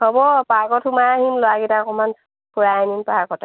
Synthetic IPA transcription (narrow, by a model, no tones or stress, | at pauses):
hɔbɔpaɡɔtʰumaɦinlɔaɡitakɔman | puɹaaninpaakɔtɛ